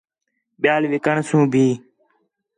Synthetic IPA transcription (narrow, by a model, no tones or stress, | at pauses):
ɓɪjaːlʋɪkəɳsũːbʱiː